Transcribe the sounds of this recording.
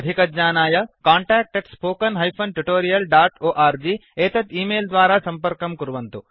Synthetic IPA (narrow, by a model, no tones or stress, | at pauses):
d̪ʱikɐd͡ʒɲaːnaːjɐkaːɳʈaːk̚ʈeʈspoːkɐnɦɐjpʰɐnʈuʈoːɾijɐlɖaːʈoːʔaːɾd͡ʒiːeːt̪ɐt̪iːmeːld̪ʋaːɾaːsɐmpɐɾkɐmkuɾʋɐnt̪u